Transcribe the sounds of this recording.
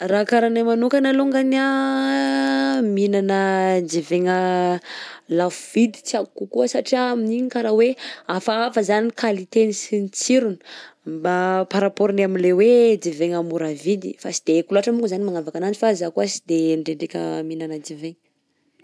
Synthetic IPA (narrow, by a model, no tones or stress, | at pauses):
rakaɾanamanukanaluŋɡana | minanəd͡ʒiveŋə | lafuv̥id̪i̥t͡siakukuəsaʈ͡ʂiaminiɲikaɾaweafaafəzanikalit̪enisinit͡siɾuni̥mbapaɾapoɾinamilewed͡ziveŋəmuɾavid̪ḭfasid̪̥ekuluaʈ͡ʂəmuŋɡuzanimaŋavakananifazakuazid̪eɳɖ͡ʐeɳɖ͡ʐekʲə̰minanəd͡ʒiveŋə